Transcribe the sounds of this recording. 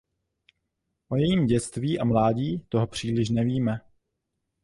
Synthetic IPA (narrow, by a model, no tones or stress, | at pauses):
ʔojɛjiːmɟɛt͡st̪viːʔamlaːɟiːt̪o̞ɦo̞pr̝̥iːlɪʃ̬nɛviːmɛ